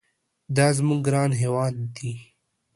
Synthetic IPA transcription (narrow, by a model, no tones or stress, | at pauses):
d̪ɑːzmuɡɾɑːnɦeːwɑːnd̪i